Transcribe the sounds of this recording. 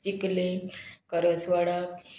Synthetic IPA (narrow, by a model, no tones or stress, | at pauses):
t͡ɕiklekəɾəsʋaɽa